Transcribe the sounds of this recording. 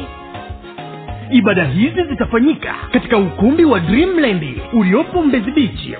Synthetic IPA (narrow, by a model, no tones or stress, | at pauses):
iɓaɗaɦizizitafaɲika̰kati̥kaukumbiwadɾimlandiuliɔpɔm̩bɛziɓit͡ʃḭ